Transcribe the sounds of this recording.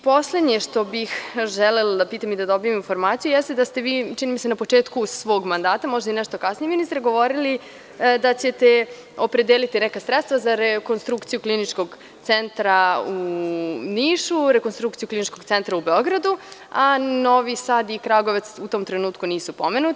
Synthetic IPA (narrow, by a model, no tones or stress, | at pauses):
po̞sle̞d̪ɲeʃt̪o̞bixʒɛlelod̪apiːt̪amid̪ad̪o̞bijeminfo̞ɾmaːt̪sijujɛst̪ed̪ast̪e̞ʋiːt͡ʃinimisenapo̞t͡ʂe̞ːt̪kusʋo̞ːɡmand̪aːt̪amo̞ʒd̪ainɛʃt̪o̞kasnijeminist̪ɾeɡo̞ʋo̞ɾili | d̪at͡ɕe̞t̪e | o̞pɾe̞d̪eːlit̪inɛkasɾɛt̪st̪ʋazaɾeko̞nst̪ɾukt̪ijuklinit͡ʃko̞ɡ | t̪sent̪ɾau | niːʃuɾekonst̪ɾuk̚t̪ijuklinit͡ʃko̞ɡtsent̪ɾaubeo̞ɡɾad̪uano̞ʋisad̪ikɾaɡoʋat̪sut̪o̞ːmt̪ɾenuːt̪kuniːsupo̞menut̪